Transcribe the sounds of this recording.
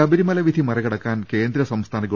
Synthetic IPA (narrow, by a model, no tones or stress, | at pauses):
ɐbiɾimɐlɐʋid̪ʱimɐɾɐɣɐɽɐkːaːnke̞ːnd̪ɾɐsɐmst̪ʰaːnɐɣɐ